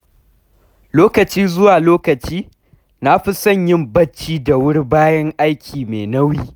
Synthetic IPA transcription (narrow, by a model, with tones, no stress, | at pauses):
loː˦kɐ˨t͡ʃiː˦zʊ˦waː˨loː˦kɐ˨t͡ʃiː˦ | na˦ɸi˦sɐ˦˨ɲjɪ˦mbɐ˦t͡ʃːiː˦da˨wʊ˦rbaː˦jɐ˦ŋʔa˦jkʲʰiː˨meː˨nɐ˦wiː˦